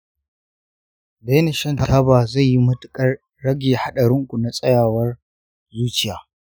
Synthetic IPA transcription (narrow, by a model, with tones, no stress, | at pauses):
beː˦ne˨ʃɐ˦˨n˨tʰaː˦baː˨za˦˨jji˦mʊ˦tʊ̥˨kʼɐ˦rː | ɐ˦ɡʲeː˨ha˦ɗɐ˨ɾɪ˦ŋkʷu˨na˨sʼɐ˦jaː˨wɐ˦r | zuː˦t͡ʃɪ˦˨jaː˨